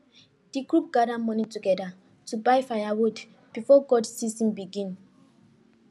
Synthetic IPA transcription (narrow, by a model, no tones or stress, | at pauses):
d̥ikɹup̚ɡadamɔ̃nituɡɛda | tubajfajawud | b̥ifɔɡɔdsisĩnbiɡĩn